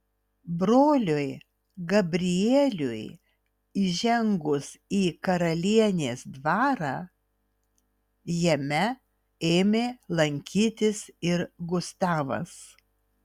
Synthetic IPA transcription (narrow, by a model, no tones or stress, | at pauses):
bɾoːlʲʊj | ɡɐbʲɾʲɪjeːlʲʊj | iʒʲɛŋɡʊsiːkɐɾɐlʲiɛnʲeːsd̪ʋɑːɾɑː | jɛmʲɛ | eːmʲeːlˠɐŋʲkʲiːt̪ʲɪsɪɾɡʊst̪ɑːʋɐ̰s